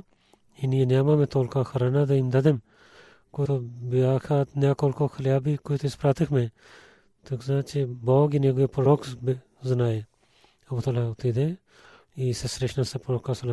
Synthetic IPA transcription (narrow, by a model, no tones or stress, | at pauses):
inijenjaːmaːmẽːt̪oːlkakʰɐɾaːnaːd̪eind̪ɐd̪em | kot̪obiaːkʰaːt̪njaːkoːlkoːkʰɐljaːbikujt̪ʰispɾaːt̪ikʰmẽ | t̪ukzãːt͡ʃebaːɡɪneɡʊepɾoːkb | zɐnaːe | ɐbut̪olat̪id̪e | iːsesɾeʃnaːsepɾoːkasɐla